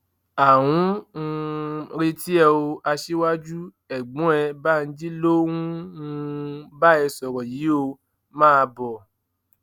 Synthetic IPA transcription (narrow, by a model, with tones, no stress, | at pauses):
a˨w̃ũ˨˦˧ | ɾe˧ti˦ɛ˧o˧a˧ʃi˦wa˦d͡ʒu˦ | ɛ˨ɡ͡bũ˨˦ɛ˧ba˦˨n̩˧d͡ʒi˦lo˦wũ˦ũ˧ba˦ɛ˧sɔ˨ɾɔ˨ji˨˦o˧ | mãː˦˧bɔ˨